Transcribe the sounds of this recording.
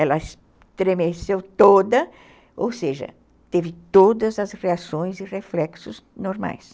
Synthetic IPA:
ɛlɐɪs | t̪ɾemesewt̪od̪ɐ | owseʒɐ̰ | t̪evɪt̪od̪ɐzɐzʁeasõj̃zɪʁeflɛksʊznoɾma̰js

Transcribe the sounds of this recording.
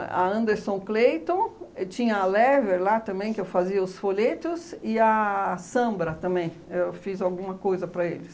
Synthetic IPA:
ɐ̰ɐ̃nd̪eɾsõklejt̪õt͡ʃĩɲɐːlɛveɾlat̪ɐ̃mbẽj̃kɪewfaziɐʊsfoʎet̪ʊzɪɐsɐ̃mbɾɐt̪ɐ̃mbẽj̃ewfizawɡũmɐkojzɐpɾɐelɪs

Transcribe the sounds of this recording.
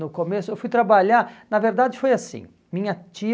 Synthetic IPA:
nʊkomesʊewfujt̪ɾabaʎaɾnɐveɾd̪ad͡ʒɪfojasḭ̃ | mĩɲɐt͡ʃi

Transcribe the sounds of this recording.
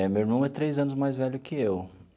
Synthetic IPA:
ɛmewiɾmɐ̃w̃ɛt̪ɾejzɐ̃nʊzmajzvɛʎʊkʰɪew

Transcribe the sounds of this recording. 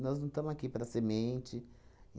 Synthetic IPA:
nɔznɐ̃w̃t̪ɐ̃mʊzakipaɾɐsemẽt͡ʃɪ

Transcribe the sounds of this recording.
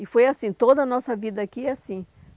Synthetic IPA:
ɪfojasĩt̪od̪ɐnɔsɐvid̪ɐakiasĩ

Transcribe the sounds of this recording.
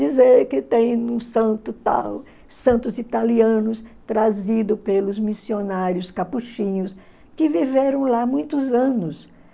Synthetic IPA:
d͡ʒizeɾkɪt̪ẽj̃ũsɐ̃t̪ʊt̪a̰ | sɐ̃nt̪ʊzit̪aliɐ̃nʊst̪ɾazid̪ʊpelʊzmisionaɾjʊskapuʃĩɲʊs | kɪviveɾɐ̃w̃lamũj̃t̪ʊzɐ̃nʊs

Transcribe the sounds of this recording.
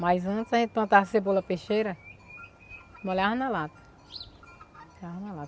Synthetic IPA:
majzɐ̃t̪izaʒẽt̪̚pɐ̃t̪asebolɐpeʃejɾɐ | molaɦnalat̪ | aɦnalat

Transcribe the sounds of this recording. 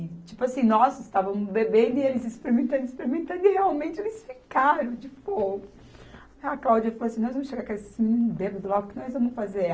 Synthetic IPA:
ɪt͡ʃipʊasĩnɔsɪst̪avɐ̃mʊzbebẽnd̪ʊielɪzɪspeɾimẽnt̪ɐ̃nd̪ɪspeɾimẽt̪ɐ̃nd̪ʊiheawmẽt͡ʃɪelɪsfikaɾɐ̃w̃d͡ʒɪfoɡʊ | aklawd͡ʒiɐfaloasĩnɔjzvɐ̃mʊʃeɡaɾkaesɪ̥simĩnĩnʊbebɐd̪ʊlaɡʊkɪnɔjzvɐ̃mʊsfaze

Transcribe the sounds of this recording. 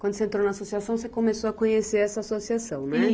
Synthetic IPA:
wɐ̃d̪ʊsẽnt̪ɾonɐasosiasɐ̃w̃sekomesoɐkõɲeseɾɛsɐasosiasɐ̃w̃nɛ

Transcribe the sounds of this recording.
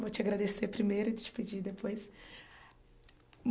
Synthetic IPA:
vot͡ʃɪaɡɾad̪esepɾimejɾʊɪd͡ʒt͡ʃɪ̥ped͡ʒid̪epojs | m

